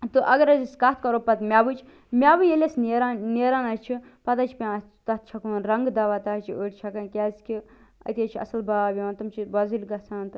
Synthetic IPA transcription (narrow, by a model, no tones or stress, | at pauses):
t̪ɨʔɐɡɐɾɐziskɐt̪ʰkɐɾopɐt̪mʲaːbɨt͡ʃʰ | mʲaːbɨjelʲesneɾanneɾanɐst͡ʃʰi | pɐt̪ɐt͡ʃʰpʲã | t̪ɐt̪̚ʰt͡ʃʰɐkunɾɐŋɡd̪ɐʋaːt̪ɐt͡ʃʰioʈʲt͡ʃʰɐkɐnkʲaːskʲi | ɐ̰t̪et͡ʃʰiɐ̰sɐlbaːbʲɐʋɐ̃nt̪ɐmt͡ʃʰibɐzilʲɡɐt͡sʰaːnt̪ɨ